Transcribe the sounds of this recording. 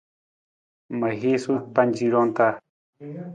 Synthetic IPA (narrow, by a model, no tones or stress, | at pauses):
majxisupant͡ʃiɾont̪a